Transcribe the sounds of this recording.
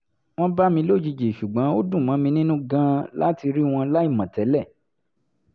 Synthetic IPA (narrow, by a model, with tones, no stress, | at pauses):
w̃ɔ̃˦ba˦mĩ˧lo˦˨d͡ʒi˧d͡ʒe˨ʃu˨ɡ͡bã˨˦o˦dũ˦˨mã˨˦mĩ˧nĩ˦nũ˦ɡã˦la˦ti˧ɾi˦w̃ɔ̃˧la˦i˦˨mã˨tɛ˨˦lɛ˦˨